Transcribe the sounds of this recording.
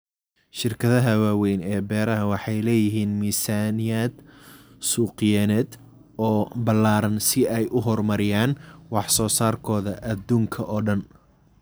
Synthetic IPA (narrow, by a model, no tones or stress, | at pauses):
ʃɪrkʰɐðɐɦɐwaːwɛjnɛːbɛːɾɐɦɐwɑħɑjlɛːjɪɦiːnmiːsaːnɪjaːd̪ | suːqɪjɛːnɛːd̪ | ɔːbɐlaːɾɐnsɪɛjʔʊɦɔrmɐɾɪjaːnwɑħsɔːsaːrkʰɔːðɐʔɐd̪uːŋkʰɐʔɔːɖɐn